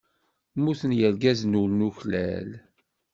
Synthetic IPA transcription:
muθənjəlɡæznulnuçlæ̰l

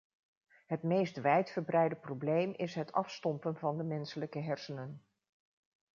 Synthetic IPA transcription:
ɦətmejstʋɛjtfəɹbrɛjdəprowblejmʔɪsɦətʰɑfstɔmpənvɑndəmɛnsələkəɦɛɹsənən

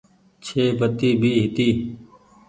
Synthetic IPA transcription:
t͡ʃʰeːbʱət̪iːbʱiːɦɪt̪iː

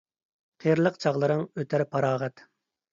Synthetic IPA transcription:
qʰeɾlˠəqt͡ʃʰɑʁlˠɨɾɨŋøt̪ʰæɾpʰɑɾɑːʁɛt̪

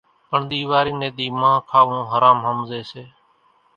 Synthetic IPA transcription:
pəɳd̪iːʋaːɾiːnẽːd̪iːmãːkʰaːʋũːɦəɾaːmɦəmzeːseː

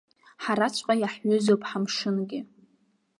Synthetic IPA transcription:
ħaɾat͡ɕʷʼqʼajaħɥʏzopʼħamʂɨnɡʲɪ

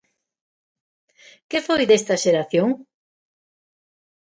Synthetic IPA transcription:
kefojðest̪ɐʃeɾaθjoŋ

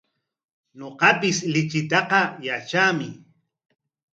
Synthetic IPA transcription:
ɲoqɑpɪslɪt͡ʃɪt̪ɑqɑjat͡ʃamɪ

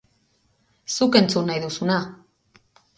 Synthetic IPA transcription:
suke̞nt͡sunːajðusuna

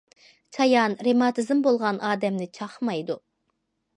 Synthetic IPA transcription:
t͡ʃʰɑjɑnɾemɑt̪ʰɨzmbolˠʁɑnʔɑːd̪ɛmnɪt͡ʃʰɑχmɑjd̪u

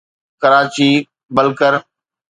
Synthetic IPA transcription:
kəɾaːt͡ɕiː | bəlkəɾ

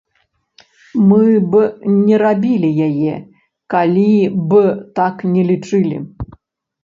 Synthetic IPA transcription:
mɨbɨnʲɛɾabʲilʲijajɛ | kalʲibɨt̪aknʲɛlʲit͡ʂɨlʲḭ

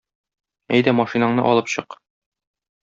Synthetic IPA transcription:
æjd̪æmɒʃinɑɴnɤ̰ʔɒlˠɤpɕɤq

